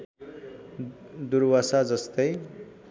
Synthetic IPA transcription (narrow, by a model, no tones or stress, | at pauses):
d̪uɾbasad͡zʌst̪ʌj